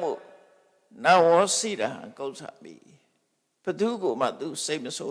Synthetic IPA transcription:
o̰˦˨ | nã˨wɔ̃˦sḭ˦˨da̰˨hã̰˨ko˦˨ʔsʰa̰˨p̪ḭ˨ | b̥əd̪u˦ɡo˨m̥a̰˦˨t̪u˨se˦˨ʔ̚məsʰo˦

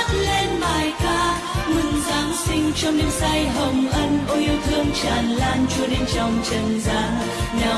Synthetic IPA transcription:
t̚le˧nɓaː˨˩jkaː˧ | mɨ˨˩ŋzaː˨˦ŋsï˧ŋ̟t͡ɕɔ˧wŋ͡mnɨ̰˧˦ŋsa˧jɦə˨˩wŋ͡mʔə˧nʔo˧˦ʔi˧əwt̪ʰɨ˧əŋt͡ɕaː˨˩nlaː˧nt͡ɕu˧əɗe˨˧˦nt͡ɕɔ˨˩wŋ͡mt͡ɕə˨˩nzaː˨˦ | naː˨˩

